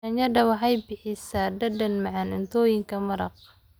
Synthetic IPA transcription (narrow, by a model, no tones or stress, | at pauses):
ɐɲɐɖɐwɑħajbɪħɪsadɐdɐnmɑʕɑnɪnt̪ʰɔːjɪŋkʰɐmɐɾɐq̚